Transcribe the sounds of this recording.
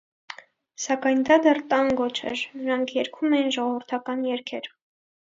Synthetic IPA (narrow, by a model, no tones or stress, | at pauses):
sɑkɑjnd̪ɑd̪ɛrt̪ɑŋɡɔt͡ʃʰɛ̰ɾnəɾɑŋkʰjɛɾkʰumɛjinʒɔʁɔvəɾt̪ʰɑkɑnjɛɾkʰɛɾ